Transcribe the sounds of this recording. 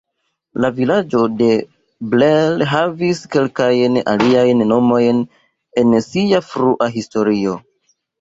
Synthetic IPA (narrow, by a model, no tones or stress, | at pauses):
lavilad͡ʒo̞de̞ | blelɦaviske̞lkajna̰liajnno̞mo̞jn | e̞nsiafɾuʔaɦisto̞ɾio̞